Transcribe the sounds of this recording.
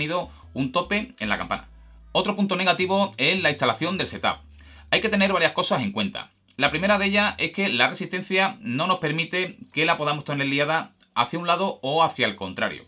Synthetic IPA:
niðo̞ | unt̪o̞pe̞enla̰ka̰mpa̰na̰o̞t̪ɾo̞punt̪o̞ne̞ɣat̪iβo̞e̞slaist̪alaθjo̞nd̪e̞lse̞t̪a̰p | ajke̞t̪ene̞ɾβ̞aɾjahko̞sase̞ŋkwẽ̞nt̪a̰ | lapɾime̞ɾaðe̞ʝae̞hke̞lare̞sist̪e̞n̟θjano̞no̞spe̞ɾmit̪e̞ke̞lapo̞ð̞amo̞st̪ene̞ɾliaða | a̰θjaunlaðo̞oaθjalko̞nt̪ɾa̰ɾjo̰

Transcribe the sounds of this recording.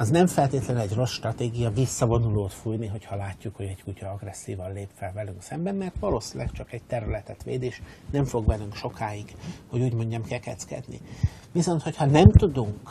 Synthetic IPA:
ɒznɛɱfɛlt̪eːt̪lɛnyɛɟro̞sʃt̪rɒt̪eːɡijɒvisːɒvo̞nuloːt̪fuːjniɦo̞chɒlaːcːukho̞ɟɛɟkucɒɒɡrɛsːḭːvɒnleːpfɛlvɛlyŋksɛmbɛmːɛrt̪ʋɒloːsilɛkt͡ʃɒkɛɟ̚t̪ɛɾylɛt̪ɛt̪ʋḛːd̪eːʃnɛɱfo̞ɡbɛlyŋkʃo̞kaːjiɡho̞ɟuːɟmo̞ɲɟɒmkɛkɛ̰t̪skɛ̰d̪nḭʋiso̞nt̪ho̞chɒnɛmt̪ud̪uŋk

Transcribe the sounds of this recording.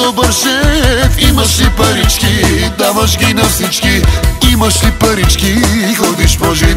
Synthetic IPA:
obɐɾʃɛimɐʃlipɐɾit͡ʃkid̪avɐʃ̬ɡinɐfsit͡ʃkiimɐʃlipɐɾit͡ʃkiːxɔd̪iʃpɔʒi

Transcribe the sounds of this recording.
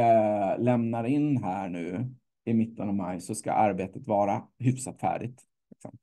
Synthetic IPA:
lɛmnaɾɪnːɦæːɳʉ̟ː | ɪmɪt̪ːənavmajsɔska̰ʔaɾbeːt̪ət̪vɑːɾaɦʏfsat̪fæ̰ːɖɪt̪ | lɪksɔ̰m

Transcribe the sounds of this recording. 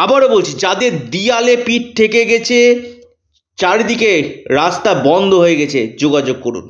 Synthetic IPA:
abaɾobolt͡ɕʰid͡ʑad̪eɾd̪ialepiʈ̚t̪ʰekeɡɛt͡ɕʰe | t͡ɕaɾd̪ikeɾast̪abɔnd̪ʱoɦoeɡɛt͡ɕʰed͡ʑoɡad͡ʑoɡ̚koɾṵn

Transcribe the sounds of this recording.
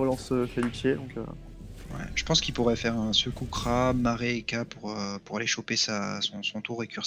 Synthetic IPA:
ʁəlɑ̃søfɛlyt̪jed̪ɔ̃kʰø̰ | wɛ̰ʒ̥ə̥pɑ̃skʲilpuʁɛfɛʁɛ̃səkukχamaʁeːkapuʁøpuʁaleʃopesasɔ̃sɔ̃t̪uʁekʲyʁs

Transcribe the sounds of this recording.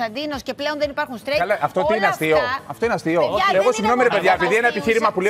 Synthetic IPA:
ɐnd̪ino̞sce̞pleo̞nðenipɐɾxunst̪ɾeɐlɐʔɐft̪ot̪iineɐst̪ioɐft̪oineɐst̪ioeɣo̞siŋɣno̞miɾepe̞ðʝɐepiðienɐepiçiɾimɐpule

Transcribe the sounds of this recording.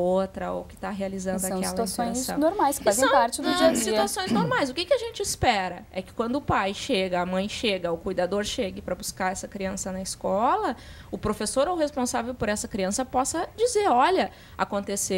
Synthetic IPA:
ot̪ɾɐo̰wkɪ̥t̪aɦealizɐ̃nd̪ʊãkkɛlɐt̪uãsõãssɐ̃wnoɾmajskɪ̥faszẽj̃wpaɾt͡ʃɪnʊ̃d͡ʒiɐsit̪uasõj̃znoɾmajzʊkɪkɪaʒẽnt͡ʃɪispɛɾɐɛkɪ̥kwɐ̃nd̪ʊʊpajʃeɡɐamɐ̃j̃ʃeɡɐʊkujd̪ad̪oɾʃeɡɪpɾɐbuskaɾɛsɐkɾiɐ̃sɐnɐɪskɔlɐ | ʊpɾofesoɾowhespõsavewpoɾɛsɐkɾiɐ̃sɐpɔsɐd͡ʒizeɾɔʎɐ | a̰kõnt̪ese

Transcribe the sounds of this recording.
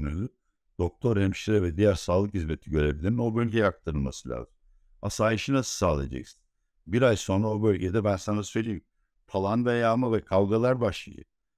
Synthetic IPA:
nøly | d̪̥o̞k̚t̪ʰo̞ɾɛmi̥ʃʲeɾɛvɛd̪ijæɾsaːlˠɯkhizme̞t̪ʰiɟø̞ɾeblʲiɾino̞bø̞lʲɟɛjak̚t̪ʰaɾɯlˠma̰sɯlʲa̰ːzɯm | asaːjɯʃɯnasɯ̥saːlˠḭd͡ʒɛ̰cst̪i | biɾajso̞naobø̞lʲɟed̪ɛbænsanasø̞jlʲejim | pʰalˠanvɛjaːmavɛkʰalˠɡalˠaɾbaʃlˠa̰jɯ̰

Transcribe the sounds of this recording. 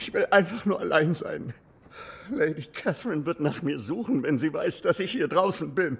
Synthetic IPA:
ʔɪçv̥ɪlʔaɪnfaχnuːɐalaɪnza̰ɪn | leɪdikʰɛθɹɪnvɪɐtnaːχmiːɐzuːχn̩vɛnziːva̰ɪsd̥asɪçhiːɐdʁaʊsn̩bɪn

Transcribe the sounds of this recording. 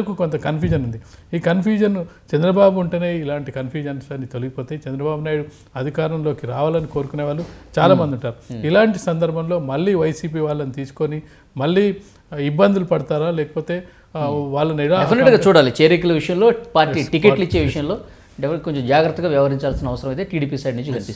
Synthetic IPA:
kukont̪ɐkɐnpʰjuːd͡ʒɐnund̪iiːkɐnpʰjuːd͡ʒɐnt͡ʃɛnd̪ɾɐbaːbuːɳʈene̞ːilaːɳʈikɐnpʰjuːd͡ʒɐnsɐnit̪o̞liɡipo̞ːt̪e̞ːt͡ʃɛnd̪ɾɐbaːbunaːjɽu | ɐd̪ʱikaːɾɐmlo̞ːkiɾaːʋaːlɐniko̞ːɾukune̞ːʋaːɭːut͡ʃaːlaːmɐnd̪iuɳʈaːɾuilaːɳʈisɐnd̪ɐɾbʱɐmlo̞ːmɐlːiːʋɐjsiːp̬iːʋaːɭːɐnut̪iːsu̥ko̞ni | mɐlːiː | ibːɐnd̪ulupɐɽɐt̪aːɾaːlɛːkɐpo̞ːt̪e̞ː | ʋaːɭːɐnilapʰineʈɡaːt͡ʃuːɽaːlit͡ʃeːɾikulɐʋiʂɐjɐmlo̞ːpaːɾiːʈike̞lit͡ʃːe̞ːʋiʂɐjɐ̃mlo̞ː | ɖekoɲt͡ʃomd͡ʒaːɡɾɐt̪ːɐɡaːʋjɐʋɐɾiɲt͡ʃaːlsinɐʋɐsɐɾɐmɐjt̪eʈiːɽiːpiːsɐjɖnũɲt͡ʃːukɐnpist̪ː

